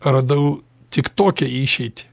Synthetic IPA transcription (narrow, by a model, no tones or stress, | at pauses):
rɐd̪ɐʊ | t̪ʲɪkt̪oːkʲɛiːʃʲɛɪt̪ʲɪ̥